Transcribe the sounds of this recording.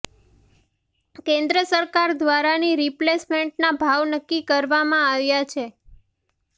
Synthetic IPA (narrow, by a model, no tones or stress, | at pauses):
kẽnd̪ɾəsəɾkaɾd̪ʋaɾaniɾiplesmeɳʈnabʱaʋnəkːikəɾʋamãaʋjat͡ʃʰe